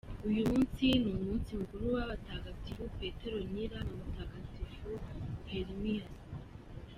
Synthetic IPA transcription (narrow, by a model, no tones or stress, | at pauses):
ujumuːnsinumuːnsiŋɡuɾuβaβataːɡat͡siβupe̞ːte̞ɾo̞ɲiɾamamataːɡat͡siʃuheɾimijas